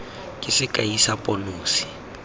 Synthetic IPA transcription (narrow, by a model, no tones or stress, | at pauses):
kʼɪsɪkʼaisapʼɔnoːsi̥